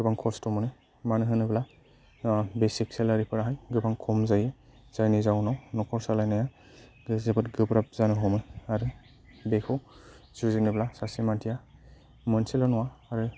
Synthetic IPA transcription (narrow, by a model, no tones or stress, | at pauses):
ɡɯbaŋkʰɔstɔmɔnɯ | manɯɦɯnɯbla | besik̚selaɾipɯɾaɦajɡɯbaŋkʰɔmzajez̥ajnizawnawnɔkʰɔɹsalajnaja | ɡɯzebɯtɡɯpɾap̚zanɯɦɔmɯjaɾu | bekʰɔw | zuzinɯblasasimantʰija | mɯnsilɔnɔwaːɾɯ